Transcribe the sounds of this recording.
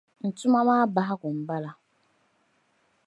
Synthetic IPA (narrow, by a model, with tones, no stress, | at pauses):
n̩˨tʰʊ˦ma˦mãː˦ba˦ɦa˦ɡʊ˨m̩˨ba˦la˦